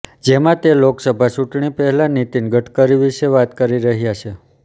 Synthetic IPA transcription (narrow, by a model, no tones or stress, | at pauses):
d͡ʒemãt̪eloksəbʱat͡ʃuʈɳipəɦɛlãnit̪inɡəʈʰkəɾiʋiʃeʋat̪kəɾiɾəɦjat͡ʃʰe